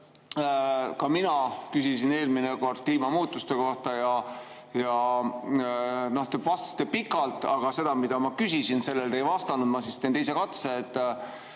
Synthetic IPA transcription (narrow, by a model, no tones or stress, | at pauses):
kɑminɑkysisine̞ːlmineko̞rd̪̥̚kliːmɑmuːt̪ːˑust̪e̞ko̞ht̪ɑjɑ | jɑ | no̞ht̪ebvɑst̪ɑ̥st̪ːepikːˑɑlt̪ːˑɑɡ̥ɑse̞d̪̥ɑmid̪̥ɑmɑkysisinse̞lːe̞ld̪e̞jvɑst̪ɑnud̪̚mɑsist̪ent̪ejse̞kɑt̪seːt̪ˑː